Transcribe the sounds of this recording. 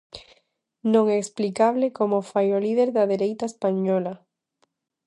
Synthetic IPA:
nõŋɛːsplikaβlekomofajolið̞eɾðaðeɾejt̪aespaɲɔla

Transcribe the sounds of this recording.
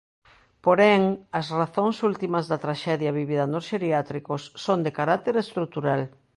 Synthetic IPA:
poɾɛŋɐsraθoŋsult̪imɐzðɐt̪ɾaʃɛðjɐβiβiðɐnosʃeɾiat̪ɾikosːond̪ekaɾat̪eɾest̪ɾut̪uɾal

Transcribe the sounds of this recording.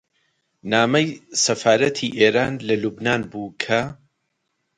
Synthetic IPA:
naːmɐjsɐfaːɾɐt̪ʰiʔeːɾaːnlɐlubnaːnbuːkʰɐ

